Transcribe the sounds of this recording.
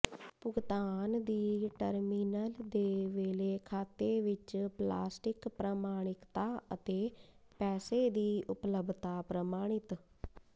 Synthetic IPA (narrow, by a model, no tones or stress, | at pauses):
pʊɡt̪aːnd̪iːʈəɾmiːnəld̪eːʋeːleːkʰaːt̪eːʋɪt͡ʃpla̰ːsʈɪkpɾəmaːɽ̃ɪkt̪aːət̪eːpɛːseːd̪iːʔʊpləbʱt̪aːpɾəmaːɽ̃ɪt̪